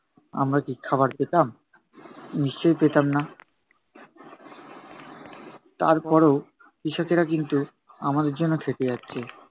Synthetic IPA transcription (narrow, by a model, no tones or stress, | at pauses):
a̰mɾakikʰabaɾpet̪am | niʃt͡ɕojpet̪amna | t̪aɾpɔɾeo | kiʃokeɾakint̪u | amad̪eɾd͡ʑonːokʰeʈ̪ed͡ʑatːɕʰe